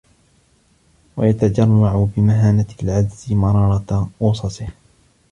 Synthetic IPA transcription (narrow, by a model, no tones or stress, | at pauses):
wa̰jat̪ad͡ʒarˤːaʕʊbɪmaɦaːnalʕad̪zɪmɑɾˤɑːɾˤɑʔʊːsˤɑsˤɪh